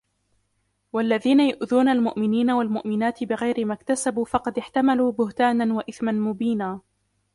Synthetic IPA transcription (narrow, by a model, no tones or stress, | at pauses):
walːaðiːnajʊʔðuːnalmʊʔmɪniːnawalmʊʔmɪnaːt̪ɪbɪɣajɾɪmakt̪asabuːfɑqɑd̪ɪħt̪amaluːbʊht̪aːnanwaʔɪθmanmʊbiːnaː